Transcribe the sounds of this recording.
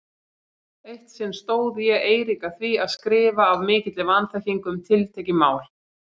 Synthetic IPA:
ejht̪sɛmst̪oːwðjɛeːjɾikaθviaðskɾɪːvaːvmɪːcɪt̪lɪvanθaçiŋkʏmt̪ʰɪlt̪ʰɛjcɪmaːwl̥

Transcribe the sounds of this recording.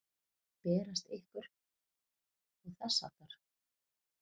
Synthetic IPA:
pɛːɾast̪ehkʏɾ̥ | ɔɣθɛsːa̰ːt̪aɾ̥

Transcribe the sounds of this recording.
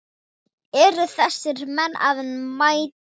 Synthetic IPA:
ɛɾʏθɛsːɪɾmɛnːa̰ðɪnmaːjt̪

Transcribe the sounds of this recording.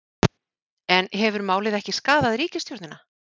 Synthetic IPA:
ɛnɦɛvʏɾmaːwlɪðɛhcɪskaːðaðɾiːcɪst̪jowt̪nɪna

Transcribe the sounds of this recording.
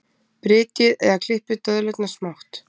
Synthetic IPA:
pɾɪːt̪ɪðɛðakʰl̥ɪhpɪt̪œðlɛt̪nasmawht̪

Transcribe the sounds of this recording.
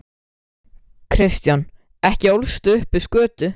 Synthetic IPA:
kʰɾɪst̪jan | ɛhcɪowlst̪ʏʏhpɪskœːt̪ʏ

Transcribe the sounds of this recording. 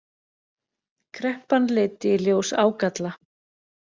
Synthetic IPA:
kʰɾɛhpanlɪːt̪ɪljoːwsaːwkat̪la

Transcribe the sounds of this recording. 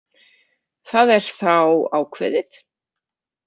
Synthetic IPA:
θaːðɛɾ̥θawaːwkʰvɛ̰ːðɪð

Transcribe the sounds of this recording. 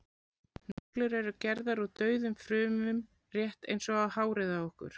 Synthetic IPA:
nɔɔklʏɾɛɾʏcɛɾðaɾat̪œːɥðʏmfɾʏːmʏm | r̥jɛht̪ḛjnsɔɣaðhaːwɾɪðaɔhkʏ̰ɾ̥

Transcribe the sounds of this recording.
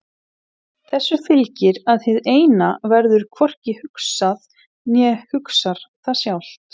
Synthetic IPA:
θɛsːʏfɪlcɪɾaðθɪðeːjnavɛɾðʏɾ̥kʰvɔr̥cɪhʏksað | njɛhʏksaɾ̥θasjawl̥t̪

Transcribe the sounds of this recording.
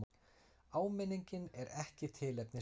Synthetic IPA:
aːwmɪniɲcɪnɛɾɛhcɪt̪ʰɪːlɛpnɪ

